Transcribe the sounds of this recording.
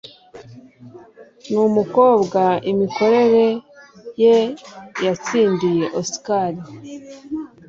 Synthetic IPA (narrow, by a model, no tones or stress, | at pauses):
numuko̞ːbɡaimiko̞ɾe̞ɾe̞jejat͡siːndije̞ʔosi̥kaɾi